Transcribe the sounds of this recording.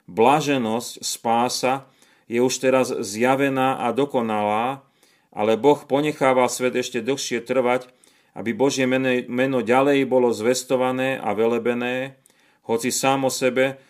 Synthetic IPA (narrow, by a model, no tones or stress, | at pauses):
blaʒɛnɔscspaːsa | jɛuʃt̪ɛɾazzjaʋɛnaːʔad̪ɔkɔnalaː | ʔa̰lɛbɔxpɔɲɛxaːʋalsʋɛd̪ɛʃcɛd̪l̩xʃɪɛt̪r̩ʋac | ʔa̰bibɔʒɪjɛmɛnɔɟalɛjbɔlɔzʋɛst̪ɔʋanɛːʔa̰ʋɛlɛbɛnɛː | hɔt͡sisaːmɔsɛbɛ